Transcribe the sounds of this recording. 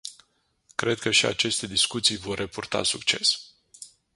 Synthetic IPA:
kɾe̞d̪̚kəʃia̰t͡ʃe̞st̪e̞d̪iskut̪sijvo̞rːepurt̪a̰sukt͡ʃe̞̰s

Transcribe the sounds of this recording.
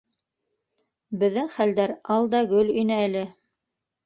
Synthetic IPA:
bɘ̆ðːɘŋχæld̪æɾɑlˠd̪ɑɡɵlɵ̆jnɘælɘ

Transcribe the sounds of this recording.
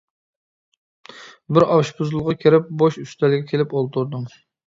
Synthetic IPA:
bɪɾɑwʃpuzlˠʁɑkʲʰeɾɪp̚boʃyst̪ɛlɪɡʲɛkʲʰelɪpolˠt̪ʰuɾd̪uŋ

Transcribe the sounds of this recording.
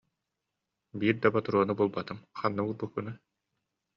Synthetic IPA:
biːɾd̪abat̪uɾuɔnɯbuɔlˠbat̪ɯmχanːɯulˠbukːɯnɯ

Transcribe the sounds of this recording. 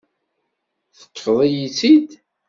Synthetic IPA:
θə̥kːðˤijit͡sːid̪

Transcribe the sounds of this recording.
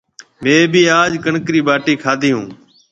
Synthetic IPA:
mẽːbiːaːd͡ʒkəɳkɾiːbaːʈiːkʰaːd̪ʱiːɦũː

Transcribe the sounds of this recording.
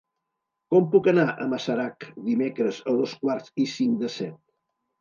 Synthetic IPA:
kɔmpukənaʔə̰məsəɾakd̪imekɾəzəðoskwaɾzisiŋkd̪əsɛt̪̚

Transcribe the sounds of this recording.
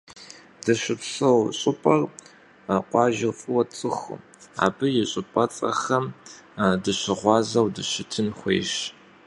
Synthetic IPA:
dɐɕɪpɬɐwɕʼɪpʼɐr | qʷɑːʒɪfʼɨwɐt͡sʼɨx | a̰ːbɨjɪɕʼɪpʼɐt͡sʼɐ̰xɐm | dɨɕɪʁʷɑːzɐwdɨɕɪtʰɨnχʷḛːɕ

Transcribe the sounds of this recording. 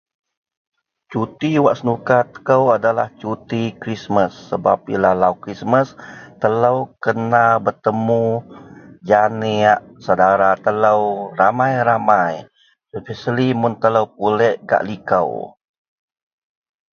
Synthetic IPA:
t͡ʃut̪iwaʔsənukat̪ə̥kəwadalaht͡ʃut̪ikɾisməsːəba̰p̚ilahlawkɾisməst̪ələwkənabərt̪əmu | d͡ʒaneaʔsawdaɾat̪ələwramajɾamaj | sufɛsəlimunt̪ələwp̚ulɛʔɡa̰ʔlikə̰w

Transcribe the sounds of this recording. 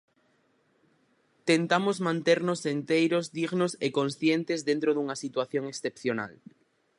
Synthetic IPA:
t̪ent̪amozmãnt̪eɾnosːent̪ejɾozðiɣnosekõnsθjent̪ezðẽnt̪ɾoðuŋasit̪waθjoŋeksθepθjona̰l

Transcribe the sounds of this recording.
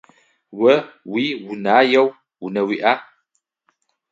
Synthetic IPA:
wəwiwunajəw | wunəwiʔa

